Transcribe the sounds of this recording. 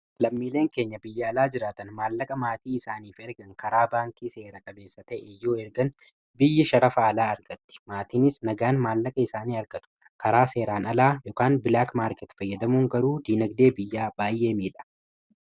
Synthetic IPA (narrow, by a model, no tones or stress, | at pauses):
lɐmːiːle̞ːŋke̞ːɲːɐbɪjːɐːlaːd͡ʒɪɾaːt̪ɐnmaːlːɐkʼɐmaːt̪iːɪsaːniːfɛɾɡɐŋkɐɾaːbaːŋkʼiːse̞ːɾɐkʼɐbe̞ːsːɐt̪ɐʔɛjːoːɛɾɡɐn | bɪjːɪʃɐɾɐfaːlaːɐɾɡɐt̪ːɪ̥maːt̪iːnɪsnɐɡaːnmaːlːɐkʼɐɪsaːniːɐɾɡɐt̪ʊ̥ | kɐɾaːse̞ːɾaːnɐlaːjɔkaːnbɪlaːkmaːɾkɛt̪fɐjːɐd̪ɐmuːŋɡɐɾuːd̪iːnɐɡd̪e̞ːbɪjːaːbaːjːe̞ːmiːᶑɐ̥